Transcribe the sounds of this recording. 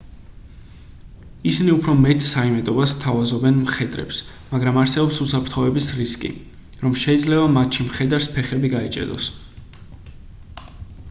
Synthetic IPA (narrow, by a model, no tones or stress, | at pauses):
isiniupʰɾɔmɛt̪ʰsaimɛt̪ʼɔbast̪ʰavazɔbɛnmχɛd̪ʼɾɛ̰ps | maɡɾamaɾsɛbɔpsusapʰɾt̪ʰχɔvɛbisɾiskʼḭ | ɾɔmʃɛid̪zlɛbamat̪ʃimχɛd̪aɾspʰɛχɛbiɡait͡ʃʼɛ̰d̪ɔ̰s